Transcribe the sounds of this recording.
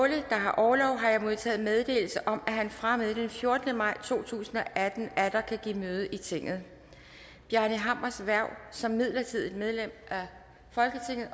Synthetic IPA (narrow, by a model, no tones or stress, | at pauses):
ɔləd̥ɑ̈ɦɑ̈ʔɒːlɒʊ̰ɦɑ̈jamo̝ð̞ˠt͡sʰɛ̰ːð̩ˠmeð̞ˠd̥e̝̰ːl̩səʔɒ̽mæɦænfʁaməð̩ˠd̥enfjo̝ɐd̥ənəmɑ̈ɪ̰t͡sʰo̝̰ːt͡sʰṵːsn̩ɒ̽ʔæd̥n̩æd̥ɐkʰæɡ̥ḭːmøːð̞ˠəʔit͡sʰe̝ŋ̰ð̞̩ˠ | b̥jænəɦɑm̰ɐsʋæɐʊ̰sɒ̽mːið̰ˠlɐt͡sʰið̞̰ˠi̥með̞ˠlem̰ʔæ | fɒ̽lɡ̥ət͡sʰe̝ŋ̰ð̩ˠ